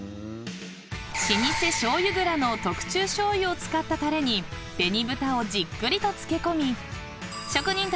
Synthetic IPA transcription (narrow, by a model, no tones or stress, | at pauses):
ɕiɲʲise̞ɕo̞ːjɯ̟ɡɯ̟ɾano̞t̪o̞kɯ̟̥t͡ɕɨːɕo̞ːjɯ̟ot͡sɨ̥kat̪ːat̪aɾe̞ɲ̟i | d̪̥e̞ɲ̟ibɯ̟t̪ao̞d͡ʑikːɯ̟ɾʲit̪o̞t͡sɨ̥ke̞ko̞mʲi | ɕo̞kɯ̟ɲ̟ĩnt̪